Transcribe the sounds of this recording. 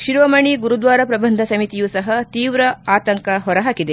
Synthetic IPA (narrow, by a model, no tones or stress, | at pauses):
ʃiɾʋɐmɐɳiɡuɾud̪ʋaːɾɐpɾɐbɐnd̪ʱɐsɐmit̪ijuːsɐɦɐt̪iːʋɾɐaːt̪ɐŋkɐɦɔɾɐɦaːkid̪e